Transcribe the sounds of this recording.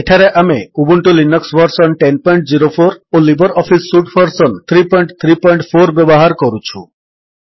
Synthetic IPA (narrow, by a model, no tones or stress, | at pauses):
eʈʰaɾeʔameubuɳʈulinɔksbɔɾsɔnʈenpɔjɳʈziɾopʰoɾolibɔɾɔpʰisːuʈpʰɔɾsɔnt̪ʰɾipɔjɳʈt̪ʰɾipɔjɳʈpʰoɾbebɔɦaɾkɔɾut͡ʃʰṵ